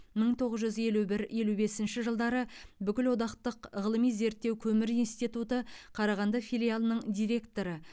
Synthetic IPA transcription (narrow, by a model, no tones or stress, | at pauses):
məɴt̪ʰo̞ʁəzʒʏzje̞lube̞sɪnʃɪʒəlˠd̪ɑɾəbʏkʲɪlwo̞d̪ɑqt̪əqʁəlˠəmijze̞ɾt̪ːewkʲʰɵmɪɾijnst̪it̪ut̪əqʰɑɾɑʁɑnd̪ɑfijlʲijalˠnəɴd̪ijɾe̞kt̪o̞ɾə